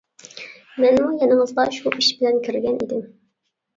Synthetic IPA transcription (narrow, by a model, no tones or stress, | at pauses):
mɛnmujɛnɨŋəzd̪ɑʃuʔiʃbɪlɛnkʲʰyɾɡʲɛnḭd̪ɪm